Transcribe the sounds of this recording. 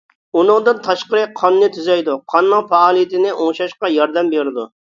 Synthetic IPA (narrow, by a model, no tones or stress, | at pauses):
unɨŋd̪ɨnt̪ʰɑʃqəɾɨqʰɑnːɪt̪ʰyzɛjd̪uqʰɑnːɨŋfɑːlˠijɪt̪ʰɪnɪʔoŋʃɑʃqɑjɑɾd̪ɛmbeɾɪd̪u